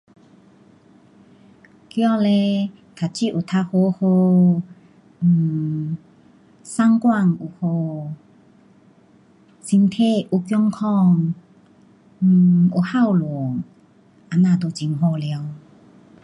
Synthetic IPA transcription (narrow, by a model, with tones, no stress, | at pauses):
kjɔ˧˦le˧ | t̪ʰa˨t͡ɕi˦˨ʔu˨˩t̪ʰa˧ho˧ho˧˨˩ | sa˥ŋkwa˥˧ŋu˨˩ho˧ | si˧ŋt̪ʰe˥˧u˧kjɔ˦ŋkʰɔ˥˧ŋ˨˩ | u˨˩ha˥˧˨wluɔ˨ŋ | a˧nãː˧˨t̪o˧˩t͡ɕi˧˩ŋɦo˧lja˧w